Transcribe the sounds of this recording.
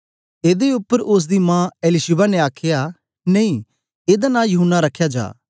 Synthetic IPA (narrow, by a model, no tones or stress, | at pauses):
eːd̪eːʊpːəɾʊs̬d̪iːmãːelɪʃɪbaːneːaːkʰɪjaː | neĩː | eːd̪aːnãːjʊɦənːaːɾəkʰːjaːd͡ʒa̰ː